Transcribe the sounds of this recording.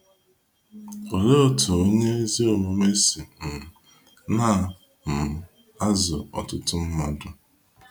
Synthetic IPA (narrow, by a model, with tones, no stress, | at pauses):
o˨le˦o˦tʰʊ˨o˦ɲe˦zi˦o˨mo˨me˦si˨m̩˨ | na˦˨ | m̩˨ | a˦zʊ̰˨ɔ̰˨tʊ˦tʊ˦m̩˦ma˨dʊ˦